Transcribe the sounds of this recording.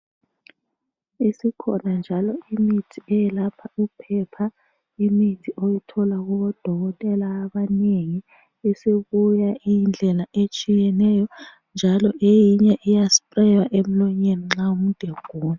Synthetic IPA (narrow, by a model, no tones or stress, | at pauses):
isikʰɔnand͡ʒʱalɔimitʰiɛjɛlapʰaupʰɛpʰa | imitʰiʔojitʰɔlaɣɔβɔd̥ʱɔɣɔtʼɛlaːβaneŋi | isiβujaind͡ɮʱɛlaʔet͡ʃʼijɛnɛjɔ | nd͡ʒʱalɔʔejiɲɛʔijaspʼrɛjaʔem̩lɔɲeniŋ͡ǁaum̩d̥ʱeɡ̥ʱuːna